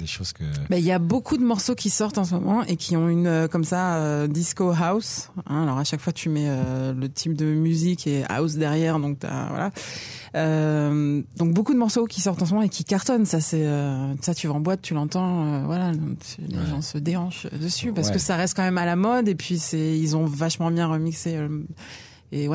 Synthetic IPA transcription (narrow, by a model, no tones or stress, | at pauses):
d̪eʃozkəbailjabokʰud̪əmɔʁsokʲisɔʁt̪ɑ̃s̬mɔmɑ̃ʔekʲʰiɔ̃ynøkɔmsaød̪iskoɦawsɛ̃alɔʁaʃakfwat̪ʰymɛølət̪ʰip̚d̪əmyzikʰea̰ws̬d̪ɛʁjɛʁd̪ɔ̃k̚t̪ya̰vwa̰lʔa̰ | ømd̪ɔ̃k̚bokud̪əmɔʁsokʲisɔʁt̪ɑ̃s̬mɔmɑ̃ekʲikaʁt̪ɔnsasɛøsat̪yvaɑ̃bwat̪ːylɑ̃t̪ɑ̃øvwalã | lḛʒɑ̃səd̪eɑ̃ʃø̰d̪əsypaʁsəkəsaʁɛst̪̚kɑ̃mɛmalamɔd̪epɥisɛilzɔ̃vaʃmɑ̃bjɛ̃ʁəmikseø | ewɛ